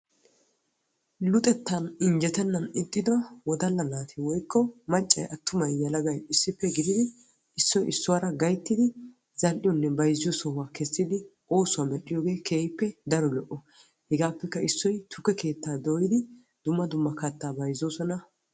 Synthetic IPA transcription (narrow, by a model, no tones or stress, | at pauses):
lʊt̪ʼɛt̪ːɐnɪɲd͡ʒɛt̪ɛnːɐnɪt̪ʼːɪd̪ɔwɔd̪ɐlːɐnaːt̪ʰɪwɔjkʰːɔmɐt͡ʃʼːɐ̰jʔɐt̪ːʊmɐjjɐlɐɡɐjɪsːɪpːɛɡɪd̪ɪd̪ɪ | ɪsːɔjɪsːʊwaːɾɐɡɐjt̪ːɪd̪ɪ | z̥ɐlʔɪjɔnːɛbɐjzːɪjɔsɔwaːkɛsːɪd̪ɪ | o̞ːsʊwaːmɛɗɪjoːɡe̞ːkʰeːjɪpːɛd̪ɐɾɔlɔʔːɔ | hɛɡaːpːɛkːɐɪsːɔjt̪ʰʊkːɛke̞ːt̪ːaːd̪oːjɪd̪ɪ | d̪̥ʊmːɐd̪ʊmːɐkɐt̪ːaːbɐjzːoːsɔnɐ